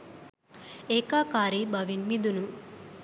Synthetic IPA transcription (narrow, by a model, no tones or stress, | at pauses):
eːkaːkaːɾibɐʋinmid̪unu